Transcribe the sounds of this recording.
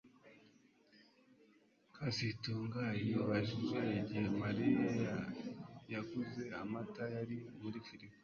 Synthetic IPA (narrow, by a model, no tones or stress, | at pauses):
kʰasituːŋɡajiβaʒiʒejeɟihemaɾiŋɡe | jakuze̞amatajaɾimuɾifiɾip